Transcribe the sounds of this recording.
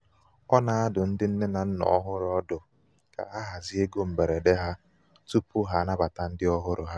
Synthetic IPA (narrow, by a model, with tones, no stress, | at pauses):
ɔ˦na˨a˦dʊ˨n̩˦dɪ˦n̩˦ne˦na˨n̩˦nɔ̰˨ɔ˦ɦʊ˦ɾʊ˨˦ɔ˦dʊ˨ | ka̰˨ɦa˦ɦa˨zi˦e˦ɡo˦m̩˨be˨ɾe˨de˦ɦa˦ | tu˦pu˦ɦa˦na˦ba˨ta˦n̩˦dɪ˦ɔ˦ɦʊ˦ɾʊ˨ɦa˦